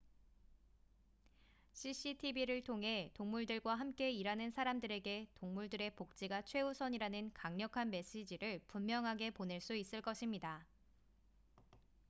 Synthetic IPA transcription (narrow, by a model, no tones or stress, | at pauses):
ɕʰiɕ͈ʰitʰibiɾɯɭtʰoŋɦe̞toŋmuɭdɯɭɡwaɦamk͈e̞iɾanɯnsʰaɾamdɯɾe̞ɡe̞toŋmuɭdɯɾe̞pok̚t͡ɕ͈iɡat͡ɕʰwe̞usʰʌɲiɾanɯnkaŋɲʌkʰanme̞ɕ͈id͡ʑiɾɯɭpummjʌŋɦaɡe̞pone̞ɭs͈uis͈ɯɭk͈ʌɕʰimɲida